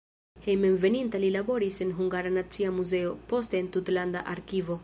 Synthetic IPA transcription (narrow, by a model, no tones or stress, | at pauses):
hejmenve̞nintalilabo̞ɾise̞nɦuŋɡaɾanat͡siamuze̞o̞po̞ste̞ːntutlanda̰ʔaɾkivo̞